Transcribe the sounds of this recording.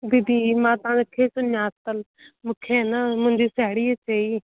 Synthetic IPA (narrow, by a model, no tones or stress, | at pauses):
d̪id̪iːmãːt̪ãːd̪ekʰːeːsʊnjaːt̪əl | mʊkʰːeːnaːmʊ̃ɲd͡ʒiːsɛːɽiːet͡ʃaiː